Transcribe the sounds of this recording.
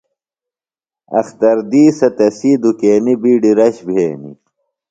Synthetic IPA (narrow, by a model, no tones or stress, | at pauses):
ɐ̰xt̪ɐɾd̪iːsɐt̪ɐsiːd̪ukeːnibiːɖiɾɐɕbʱeːnḭ